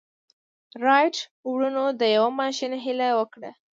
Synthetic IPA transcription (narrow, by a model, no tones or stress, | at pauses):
ɾɑjʈwɽunod̪əjawamɑʃinaɦilawəkɽa̰